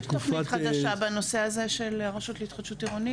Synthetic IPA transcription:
tofniχad̪aʃabano̞se̞azeʃelʁaʃut̪leitχad̪̥ʃutiʁoni

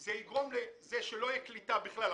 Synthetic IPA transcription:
zeiɡʁomlezeʃelo̞jiklitabiχlal

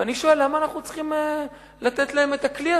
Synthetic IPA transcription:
aniʃo̞elːamaːnaχnut͡sχime | lat̪e̞t̪lae̞me̞t̪aklia

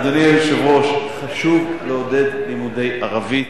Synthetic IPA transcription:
d̪onjɛlʃevʁo̞ʃχaʃuɡleod̪e̞d̪limud̪e̞jʔaʁavi

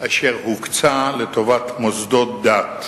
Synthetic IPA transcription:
ʔaʃeʁhukt͡salet̪o̞vatmozd̪ot̪̚d̪at̪

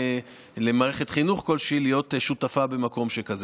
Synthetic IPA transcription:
le̞maːʁeχetχinuχko̞lʃiːlijo̞tʃutafabe̞mako̞mʃekaz

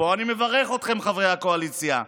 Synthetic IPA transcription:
o̞animevaʁeχo̞t̪χe̞mχavʁejhako̞alit͡sja̰

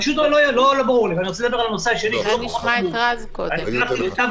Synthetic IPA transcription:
aʃut̪lolojlolobaʁuʁlivaniʁot͡seled̪abe̞ʁalanoseaʃeliʃulokoxat̪uazkoaniaχt̪iit̪av

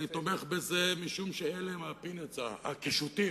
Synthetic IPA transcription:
nit̪omeχbezemiʃumʃeeleemapinet͡saa̰kiʃut̪i

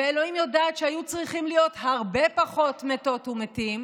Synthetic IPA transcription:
eelo̞imjodaːtʃeajut͡sʁiχimlijo̞thaʁbe̞paχo̞tmeto̞tumetim

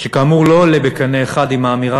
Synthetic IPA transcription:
ʃekaːmuʁlo̞lebekaneːχad̪imaːmiʁa

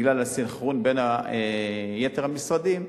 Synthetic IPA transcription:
ɡlalasiχʁonbe̞naejet̪eʁhamisʁad̪im

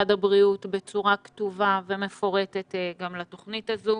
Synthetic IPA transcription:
adabʁiutbe̞t͡suʁaktuvavemefo̞ʁe̞tetɡamlato̞χnitazu

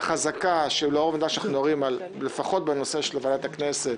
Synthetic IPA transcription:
χazakaʃeiloovnidaʃanaχnudoʁimal | lefaχo̞t̪̚beno̞seʃelevadat̪akneset̪

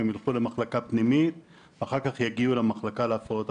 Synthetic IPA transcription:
emjalχulemaχlakapnimit̪ | veaχaʁkaχjaɡiulemaχlakaleafaot̪

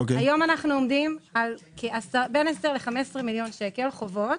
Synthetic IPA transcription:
okeajo̞manaχnuomdimalkʰeasabenesdeʁleχamesʁemiljo̞nʃeke̞lχo̞vo̞t̪

